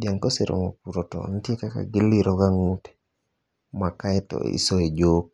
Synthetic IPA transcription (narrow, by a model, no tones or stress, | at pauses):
djaŋkɔseɾo̰mopuɾotɔ̰ntjekaka̰ɡɪliɾɔɡaŋutɛ̥ | makaɛtɔ̰ḭsɔed͡ʒok̚